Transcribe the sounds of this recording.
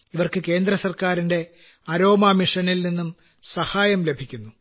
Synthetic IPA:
iʋɐrkɨke̞ːnd̪ɾɐsɐrkaːɾinde̞ | ɐɾo̞ːmaːmiʂɐnilninːum | sɐhaːjɐmle̞bʱikʲːunːu

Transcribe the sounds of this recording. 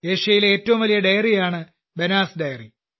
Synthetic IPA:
eːʂejileeːtːɐʋumʋɐlijɐɖejɐrijaːɳɨ | benaːsɖɐjri

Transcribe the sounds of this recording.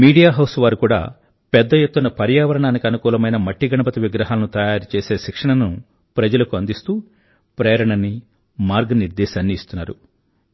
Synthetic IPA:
miːɽijaːɦɐwsʋaːɾukuːɽa̰ː | pɛd̪ːɐjet̪ːunɐpɐɾjaːʋɐɾɐɳaːnikiɐnukuːlɐmɐjnɐmɐʈːiɡɐɳɐpɐt̪ɐʋiɡɾɐɦaːlɐnut̪ɐjaːɾt͡ʃeːseːʃikʂɐɳɐu | pɾɐd͡ʒɐlɐkuɐnd̪ist̪uː | pɾɛːɐɾɐɳɐnːi | maːɾɡniɾd̪ɛːʃaːnːiist̪unːa̰ːɾṵ

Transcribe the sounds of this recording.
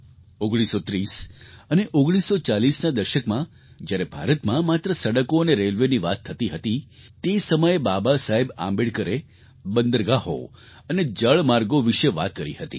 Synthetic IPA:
oɡɭ̃isot̪ɾisəneʔoɡɭ̃isot͡ʃalisnad̪əɾʃəkmã | d͡ʒjaɾebʱa̰ɾət̪mãmat̪ɾəsəɽəkoəneɾelʋeniʋat̪ʰːət̪iɦət̪i | t̪esəməjebabasaɦebã̰mbeɽkəɾe | bənd̪əɾɡaɦo̰ | əned͡ʒəɭmaɾɡoʋiʃeʋa̰t̪̚kəɾḭɦət̪ḭ

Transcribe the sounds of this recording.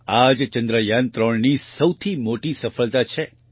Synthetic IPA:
ad͡ʒt͡ʃə̃nd̪ɾəjant̪ɾoɭnisəwt̪ʰimoʈisəfəɭt̪at͡ʃʰe

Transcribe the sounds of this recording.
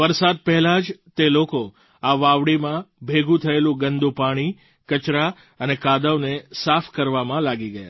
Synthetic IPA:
ʋəɾsad̪̚pɛɦɛlad͡ʒt̪eloko | aʋaʋɽimãbʱeɡũt̪ʰəelũɡənd̪ũpaɽ̃i | kət͡ʃɾa | ənekad̪əʋnesafʰkəɾʋamãlaɡiɡəja̰

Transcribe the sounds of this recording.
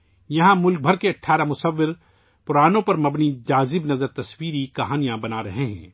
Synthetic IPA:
jɐɦãmʊlk̚bʱɐɾkeɐʈʰːaːɾamʊsəʋːɪɾ | pʊɾaːnõpɐɾmɐbnid͡ʒaːzɪbnɐzəɾt̪ɐswiːɾikɐɦaːnijãbɐnaɾɐɦeɦɛ̰̃ː

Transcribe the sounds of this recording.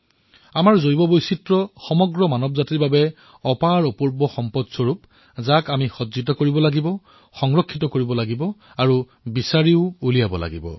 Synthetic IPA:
amaɹzojbɔbojsitɹɔxɔmɔɡɹɔmanɔbzatiɹbabɛ | ɔpaɹopuɹbɔxɔmpɔtsɔɹup | zakamixɔzit̬ɔkoɹibɔlaɡibɔ | xɔŋɹɔkʰːitɔkoɹibɔlaɡibɔ | aɹu | bisaɹiʊulijabɔ̰la̰ɡibɔ̰

